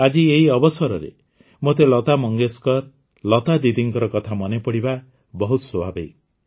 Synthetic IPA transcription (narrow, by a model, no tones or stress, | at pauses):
ad͡ʒieɦiɔbɔsɔɾɔɾḛ | mot̪elɔt̪amɔŋɡeskɔɾ | lɔt̪ad̪id̪iŋkɔɾɔkɔt̪ʰamɔnepɔɽiba | bɔɦut̪ɔswobʱabej